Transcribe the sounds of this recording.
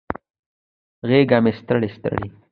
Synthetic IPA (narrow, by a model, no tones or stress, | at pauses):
ɣeɡamest̪əɽest̪ə̰ɽi